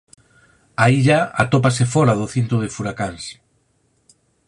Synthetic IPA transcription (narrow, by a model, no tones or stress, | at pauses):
aiʎaa̰t̪opasefɔɾaðoθent̪ɾoð̞ɪfuɾakaŋs